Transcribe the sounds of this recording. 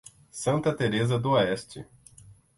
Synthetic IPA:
sɐ̃nt̪ɐt̪eɾezɐd̪ʊoɛst͡ʃɪ̰

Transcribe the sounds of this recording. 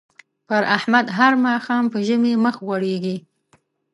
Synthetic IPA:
pəɾahmad̪ɦaɾmɑxɑmpəʒəmeməxɣaɽeɡi

